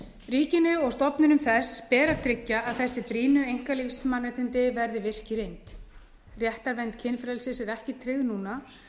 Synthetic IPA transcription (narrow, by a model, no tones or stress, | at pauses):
riːcɪnʏɔɣst̪ɔpnɪnʏmθɛspɛːɾat̪ʰɾɪcːaːðθɛsːɪpɾiːnʏejŋkalifsmanːɪt̪ʰɪnt̪ɪvɛɾðɪvɪr̥cɪɾejnt̪ | rjɛht̪aɾvɛnt̪cʰɪnfɾɛlsɪsɛɾɛhcɪt̪ʰɾɪɣðnuːna